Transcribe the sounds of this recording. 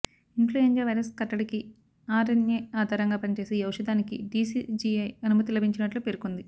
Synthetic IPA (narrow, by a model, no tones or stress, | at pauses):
influeɲd͡ʒaːʋɐjɾɐskɐʈːɐɽiki | aːɾɐnjeːaːd̪ʱaːɾɐŋɡaːpɐnit͡ʃe̞ːsiɐwʂɐd̪aːnikiɖiːsid͡ʒiɐjɐnumɐt̪ilɐbʱiɲt͡ʃinɐʈlupeɾukund̪i